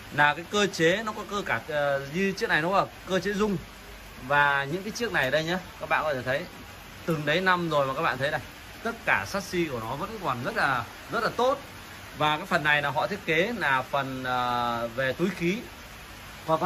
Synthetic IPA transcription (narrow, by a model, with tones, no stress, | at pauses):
laː˨˩kaː˨˦jkəː˧t͡ɕe˨˦nɔ˨˦kɔ˨˦kəː˧kaː˧˩˨ɲɨ˧t͡ɕi˦˥ək̚na˨˩jnɔ˨˦kːkəː˧t͡ɕe˨˦zʊ˧ŋ͡m | vaː˨˩ɲɨ̰˧˥kaː˨˦jt͡ɕi˦˥ək̚na˨˩jɗə˧jɲa˨˦kaː˦˥k̚ɓa̰ː˧˨nkɔ˨˦t̪ʰe˧˩t̪ʰə˨˦j | t̪ɨ˨˩ŋɗə˨˦jna˧mzo˨˩jma˨˩kaː˦˥ɓa̰ː˧˨˧t̪ʰə˨˦na˨˩j | t̪ə˦˥t̚kaː˧˩saː˦˥t̚si˧ku˧˩ənɔ˨˦vəː˨˧˥nkaː˨˦jkwa˨˩nzə˦˥t̚laː˨˩ | zə˦˥t̚laː˨˩t̪o˦˥t̚ | vaː˨˩kaː˨˦jfə˨˩nːa˨˩jnaː˨˩ɦɔ̰˧˨t̪ʰi˦˥ət̚ke˨˦laː˨˩fə˨˩nəː˨˩ve˨˩t̪u˨˦jxi˨˦ | vaː˨˩˨